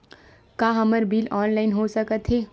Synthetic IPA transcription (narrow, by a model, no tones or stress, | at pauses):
kaːɦəməɾbiːlɔːnlaːɪnɦosəkət̪ɦeː